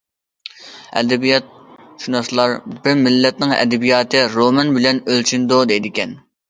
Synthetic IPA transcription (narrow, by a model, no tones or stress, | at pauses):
ɛ̰d̪ɛbijɑt̪̚ | ʃunɑslˠɑɾbɪɾmɪlːɛt̪̚nɪŋɛ̰d̪ɛbijɑːt̪ʰɨɾomɛnbɪlɛnølt͡ʃʰynd̪ʊd̪ejd̪ɪkʲɛn